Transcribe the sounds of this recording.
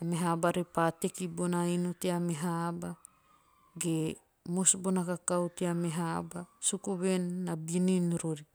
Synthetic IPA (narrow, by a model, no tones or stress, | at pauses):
ameɦabaɾepatekibonainuteameɦaba | ɡe | mosbonakakawteameɦabasukuβenːabininɾoɾi